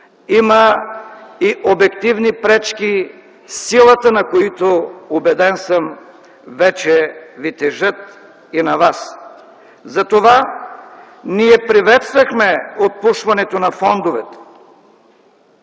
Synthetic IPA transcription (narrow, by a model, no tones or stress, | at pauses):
imə | iʔobɛk̚t̪ivnipɾɛt͡ʃki | silˠɐt̪ənɐkoit̪oobɛd̪ɛnsəm | vɛt͡ʃɛvit̪ɛʒət̪̚ | inɐvas | zɐt̪ova | niɛpɾivɛt̪st̪vɐxmɛot̪̚puʃvɐnɛt̪onɐfɔnd̪ovɛt̪ɛ̥